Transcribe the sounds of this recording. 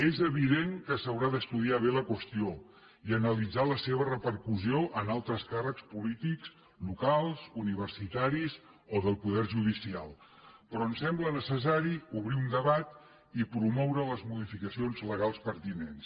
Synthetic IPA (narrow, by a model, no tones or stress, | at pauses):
ezəβ̞iðeŋkəsəwɾaðəst̪uðiaβ̞eləkwəst̪io | iənəlid͡zaləseβ̞ərəpəɾkuzioʔənalˠt̪ɾəskarəkspulit̪ikz̥ | lukalˠzuniβ̞ərsit̪aɾizoðəlˠpuðɛrʒuðisialˠpɾɔənsɛmblənəsəsaɾiuβ̞ɾiund̪əβat̪ | ipɾumɔwɾələzmuðifikəsionzləɣalˠspəɾt̪inens